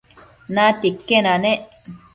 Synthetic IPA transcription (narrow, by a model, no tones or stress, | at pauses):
nãt̪ikːenãnẽʔ